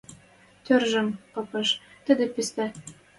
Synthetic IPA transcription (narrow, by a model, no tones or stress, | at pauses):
t̪ørʒə̆mpɤ̆pɤ̆ʃt̪əd̪ĕpist̪æ